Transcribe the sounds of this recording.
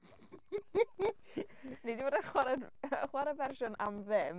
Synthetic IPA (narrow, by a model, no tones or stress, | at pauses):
nidivoːdəχwaɾɛdəχwaɾɛvɛrʃʊna̰mðɪm